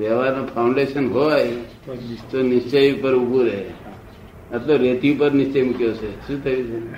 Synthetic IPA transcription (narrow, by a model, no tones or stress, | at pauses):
ʋəʋaɾnopʰaʊɳɖeʃənɦoaj | t̪onɪst͡ʃejpəɾubuɾeɦe | ət̪loɾet̪iupəɾnɪst͡ʃejmukjot͡ʃʰeʃũt̪ʰəjut͡ʃʰe